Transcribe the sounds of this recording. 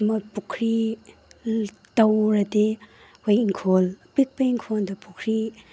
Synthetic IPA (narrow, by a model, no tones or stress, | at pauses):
mapukʰɾi | tawɾɐte | wajiŋkʰolpik̚pejŋkʰoldɐpukʰɾi